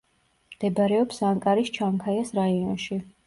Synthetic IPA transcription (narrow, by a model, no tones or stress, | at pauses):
md̪̥ɛbaɾɛɔpsaŋkʼaɾist͡ʃʰaŋkʰajasɾaiɔnʃi